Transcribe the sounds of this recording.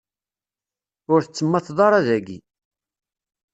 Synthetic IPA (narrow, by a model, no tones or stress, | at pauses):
ʊɾθət͡sːəmːɑθðˤɑɾˤæðæɡḭ